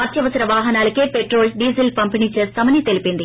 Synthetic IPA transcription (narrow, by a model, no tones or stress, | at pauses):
ɐt̪ʰjɐʋɐsɐɾɐʋaːɦɐnaːlkːepeʈɾoːlsɖiːsɐlpɐmpiɳit͡ʃeːst̪ɐmɐnit̪elipind̪i